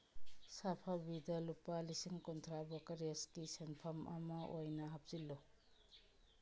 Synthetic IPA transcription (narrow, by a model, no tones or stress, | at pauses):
sapʰabidɐlupalisiŋkontʰɾabokaɾiaskisenpʰɐmʔɐ̰mɐojnɐɦɐp̚z̥ilːɔ